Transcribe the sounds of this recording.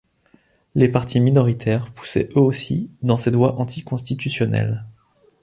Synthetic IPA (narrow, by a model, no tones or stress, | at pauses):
lepaʁt̪ʰiminɔʁit̪ʰɛʁpu̥sɛ̰ʔøosid̪ɑ̃sɛd̪waʔɑ̃t̪ʰikɔ̃st̪it̪ysjɔnɛ̰l